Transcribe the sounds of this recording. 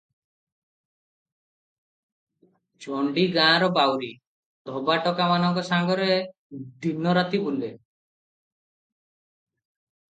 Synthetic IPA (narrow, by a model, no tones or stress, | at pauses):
t͡ʃɔɳɖiɡãɾɔbawɾi | d̪ʱɔbaʈɔkamanɔŋkɔsaŋɡɔɾe | d̪ʱinːɔɾat̪ibulbe